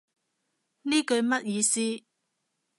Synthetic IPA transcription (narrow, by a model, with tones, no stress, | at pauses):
niː˥kɵ˧ɥmɐ˥t̚jiː˨˧siː˦˥